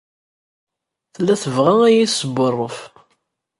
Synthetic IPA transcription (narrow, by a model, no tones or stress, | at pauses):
θəlːæθəvʁææjiθsəbːərˤːəf